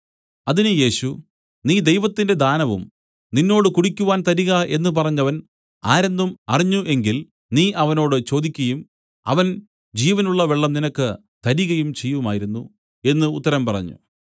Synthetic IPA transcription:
ɐðinɨje̞ːɕu | niːd̪e̞jʋɐt̪ːinde̞d̪aːnɐʋṵm | ninːo̞ːɽɨkuɽikʲːuʋaːnt̪ɐɾiɣɐʔe̞nːɨp̬ɐrɐɲːɐʋɐn | aːɾend̪umɐriɲːuʔe̞ŋɡil | niːʔɐʋɐno̞ːɽɨt͡ɕo̞ːd̪ikʲːɐjum | ɐ̰ʋɐn | d͡ʑiːʋɐnuɭːɐʋeɭːɐmninɐkːɨ | t̪ɐɾiɣɐjumt͡ɕe̞jːumaːjiɾunːu | e̞nːɨut̪ːɐɾɐmpɐrɐ̰ɲːṵ

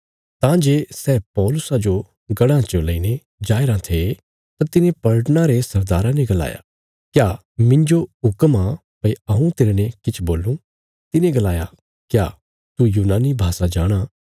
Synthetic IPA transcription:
t̪ãd͡ʒeːsɛːpɔːlʊsad͡ʒo | ɡɐɽãt͡ʃolɐine | d͡ʒaːɪɾãt̪ʰe | t̪at̪ɪnẽpɐɭʈñãɾesɐɾd̪aːɾãnɛɡɐla̰ːja̰ | kjaː | mɪ̃ɲd͡ʒoɦʊkma | pɐiɐũt̪eːɾenɛ̃kɪt͡ʃʰboːlũ | t̪ɪnẽɡɐlaːja | kja̰ː | t̪ujuːnaːnibʱaːsad͡ʒaːɽ̃a

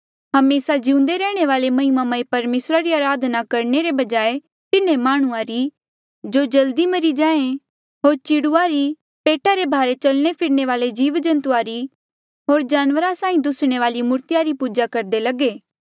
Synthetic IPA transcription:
ɦɐmeːsad͡ʒɪũnd̪eɾɛːɽ̃eʋaːlemɐɦɪmamaipɐɾmeːsɾaɾiaːɾaːd̪ʱnakɐɾneɾebɐd͡ʒaːe | t̪ɪnẽmaːɽ̃ʊãɾi | d͡ʒod͡ʒɐld̪imɐɾid͡ʒãːẽ | ɦoːɾt͡ʃɪɽuaɾi | peːʈʰaɾebʱaːɾet͡ʃɐlñepʰɪɾneʋaːled͡ʒiːʋd͡ʒɐ̃nt̪ʊaːɾi | ɦoːɾd͡ʒaːnʋəɾasãːĩd̪ʊsɽ̃eʋaːlimʊɾt̪ɪjaɾipuːd͡ʒakɐɾd̪elɐɡeː

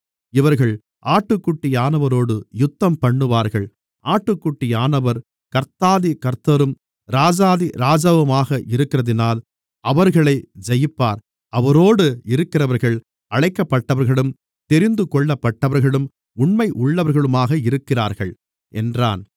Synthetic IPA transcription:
ɪʋɐɾɣɐɭ | ʔaːʈːɯkːuʈːɪjaːnɐʋɐɾoːɽɯjʊt̪ːɐmpɐɳːɯʋaːɾɣɐɭ | ʔaːʈːɯkːuʈːɪjaːnɐʋɐɾ | kɐɾt̪aːðikɐɾt̪ːɐɾɯm | ɾaːd͡ʒaːðiɾaːd͡ʒɐʋɐmaːɣɐʔɪɾɯkːɪrɐðɪnaːl | ɐʋɐɾɣɐɭɐɪd͡ʒɐjɪpːaːɾ | ɐʋɐɾoːɽɯɪɾɯkːɪrɐʋɐɾɣɐɭ | ɐɻɐɪkːɐpːɐʈːɐʋɐɾɣɐɭɯm | t̪ɛɾɪnd̪ɯkɔɭːɐpːɐʈːɐʋɐɾɣɐɭɯm | ʊɳmɐɪʔʊɭːɐʋɐɾɣɐɭɯmaːɣɐɪɾɯkːɪra̰ːɾɣɐɭ | ʔɛ̰ndra̰ːn

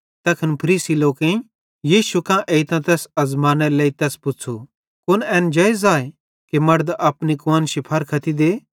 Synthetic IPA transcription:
t̪ɛkʰɐnpʰɐɾiːsiloːkẽ | jiːʃukãʔeːit̪ãt̪ɛːsɐzmãːnɛleːit̪ɛːspʊt͡sʰu | kʊnɛːnd͡ʒɐezaːe | kemɐɽd̪ʔɐpnikoənʃipʰɐɾkʰɐt̪id̪eː

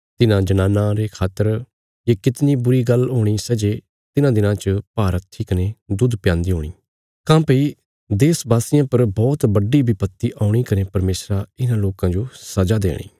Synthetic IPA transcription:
t̪ɪnãːd͡ʒənaːnãɾeːkʰaːt̪əɾ | jeːkɪt̪niːbʊɾiːɡəlɦoːɽ̃iːsəd͡ʒeː | t̪ɪnãːd̪ɪnãːt͡ʃəpaːɾət̪ʰiːkəneːd̪ʊd̪pɪjãːnd̪iːɦoːɽ̃iː | kãːpəiː | d̪eːsbaːsɪjãːpəɾbɔːt̪bəɖiːbʱiːpət̪ːiːʔaːʊɽ̃iːkənepɐɾmeːsɾaɪnãːloːkãːd͡ʒosɐd͡ʒaːd̪ḛːɽ̃ḭː

